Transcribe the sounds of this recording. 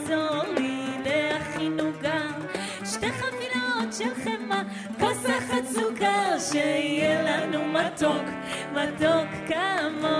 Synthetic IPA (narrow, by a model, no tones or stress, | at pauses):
zolileaχinuɡa | ʃtejχafilotʃelχema | kasaχat͡suɡaʃeijɛlanumat̪ok | mat̪okːama